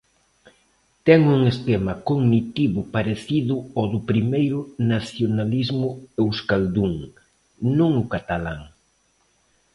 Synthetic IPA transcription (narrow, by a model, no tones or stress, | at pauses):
t̪ɛŋuŋest̪ɛmɐkoɡnit̪iβʊpaɾeθiðʊɔðʊpɾimejɾʊnaθjonalizmʊewskald̪uŋ | nõŋʊkat̪alaŋ